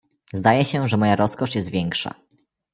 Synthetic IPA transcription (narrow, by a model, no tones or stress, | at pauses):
zd̪ajɛɕɛʐɛmɔjaɾɔskɔʂjɛst̪vʲjɛŋkʂa̰